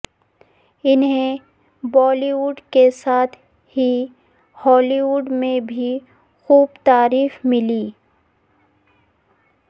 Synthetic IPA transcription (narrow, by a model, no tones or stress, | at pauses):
ɪnɦẽ | bɔːliːʋʊɖkesaːt̪ʰ | hi | hɔːliːwʊɖmẽbʱi | xuːbt̪aːɾiːfmɪliː